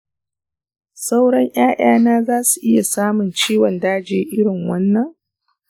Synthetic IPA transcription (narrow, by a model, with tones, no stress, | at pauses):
sa˦wɽɐ˦ɲj̰ʔaː˦j̰aː˦naː˦zaː˦su˨ʔɪ˦ja˨saː˦mʊ˨nt͡ʃiː˦wɔ˨ndaː˦d͡ʒeː˦ʔɪ˦ɽɪ˨ŋwɐ˦nːɐ˨ŋ